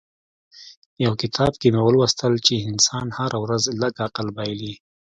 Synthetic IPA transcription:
jawkɪt̪ʰɑbkemewəlwast̪əlt͡ʃeɪnsɑnhaɾawɾazləɡaqəlbɑjli

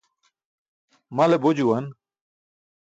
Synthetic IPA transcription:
mɐlebod͡ʑuwɐn

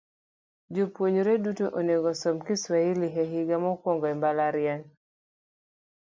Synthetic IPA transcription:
d͡ʒopwoɲoɾedutoʔoneɡɔsɔmkɪswailɪɦɛɦɪɡamɔkwɔŋɡɔɛmbalaɾɪaŋ

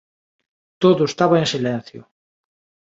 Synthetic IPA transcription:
t̪oðoʊest̪aβaensilen̟θjo̰

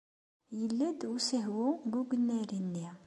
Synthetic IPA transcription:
jəlːæd̪səɦwuɡuɡənːæɾinːia

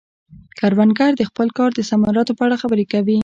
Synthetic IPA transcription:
kaɾwanɡaɾd̪əxpəlkɑɾd̪əsamɑɾɑt̪opəaɽaxabəɾekawi

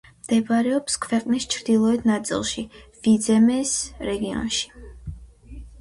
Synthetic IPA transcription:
md̪̥ɛvaɾɛɔpskʰvɛqʼnist͡ʃʰɾd̪ilˠɔɛt̪ʰnat̪sʼḭlˠʃivid̪zɛmɛsɾɛɡiɔ̰nʃi̥

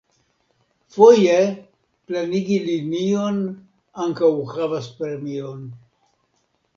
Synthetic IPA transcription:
foje | planiɡilinio̞n | aŋkawkɾavaspɾemion

